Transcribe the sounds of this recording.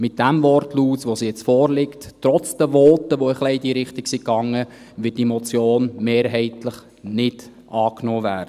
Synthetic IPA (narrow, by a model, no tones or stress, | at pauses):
mɪt̚d̥æmvɔrtluːsʋosijɛt͡sfɔːɾlɪkttɾɔt͡sd̥əʋɔːtəʋoəχlɛɪdiːɾɪχtɪksikːɑŋːə | ʋɪt̚d̥iemɔt͡sjoːnmeːɾɦɛɪtləχ | nɪd | ʔɑːknɔːvæːɾdə